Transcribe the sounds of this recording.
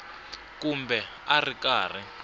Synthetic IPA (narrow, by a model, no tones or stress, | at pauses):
kumbɛ | arikaːr̤i